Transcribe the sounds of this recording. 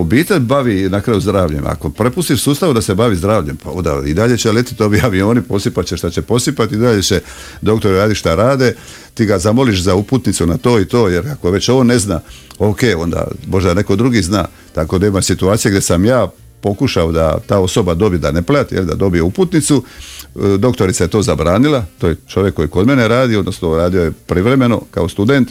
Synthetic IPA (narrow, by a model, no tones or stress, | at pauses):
obiːt̪e̞ʎbaʋinakɾaːjuzd̪ɾaːʋʎe̞̰mʔa̰ko̞pɾe̞pust̪iʃsuːst̪aʋud̪ase̞baʋizd̪ɾaːʋʎe̞mpao̞nd̪a̰id̪aʎe̞t͡ɕelet̪i̥t̪o̞biaʋio̞ːnipo̞sipat͡ɕeʃt̪at͡ɕe̞po̞sipat̪iid̪aʎe̞t͡ɕe | d̪o̞kt̪o̞ɾɾaːd̪iʃt̪aɾaːd̪e | t̪iːɡazamo̞liʃzauput̪nit̪sunat̪o̞ːit̪o̞ːje̞ɾako̞ʋe̞t͡ɕoʋonːe̞znaːoke̞ːo̞nd̪a̰mo̞ʒd̪ane̞ko̞d̪ɾuɡizna̰ː | t̪ako̞neːmajsit̪uaːt̪sijeɡd̪ʲje̞samjaː | po̞kuʃaod̪a̰t̪aːo̞so̞bad̪o̞bijed̪aneplat̪jelid̪a̰d̪o̞bijeuput̪nit̪su | d̪o̞kt̪o̞ɾit̪saje̞t̪o̞ːzabɾaːnilˠat̪oːjet͡ʃo̞ʋjekːo̞jiko̞d̪me̞neɾaːd̪io̞d̪no̞snouɾaːd̪iojepɾiʋɾe̞me̞no̞̰ka̰o̞st̪ud̪e̞nt̪